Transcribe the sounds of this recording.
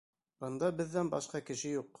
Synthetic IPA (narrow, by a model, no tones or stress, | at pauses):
b̥ɤ̆nd̪ɑbɘ̆ðːænbɑʃqɑkɘ̆ʃɘjuqː